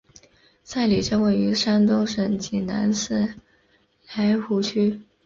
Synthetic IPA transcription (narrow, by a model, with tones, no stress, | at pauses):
sa˥˩ɪli˨˩ʈ͡ʂɤ˥we˥˩ɪy˧˥ʂa˥nt̪o˥ŋʂə˨˩ŋt͡ɕi˨˩na̰˧˥nsɹ̩˥˩ | hʰa˧˥ɪxu˧˥t͡ɕʰy˥